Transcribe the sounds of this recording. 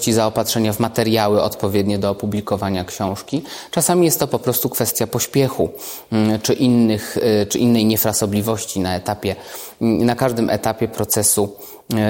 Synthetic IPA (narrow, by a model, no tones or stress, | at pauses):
t͡ɕizaɔpat̪ʂɛɲavmat̪ɛɾjawɘɔ̰t̪pɔvʲjɛd̪ɲɛd̪ɔːpublʲikɔvaɲakɕɔ̃w̃ʂkʲit͡ʂasamʲijɛst̪ːɔpɔpɾɔst̪ukfɛst̪ʲjapɔɕpʲjɛxu | t͡ʂɘʔinːɘxt͡ʂɘʔinːɛjɲɛfɾasɔblʲivɔɕt͡ɕinaɛt̪apʲjɛ | nakaʐd̪ɘmʔɛ̰t̪apʲjɛpɾɔt̪sɛsu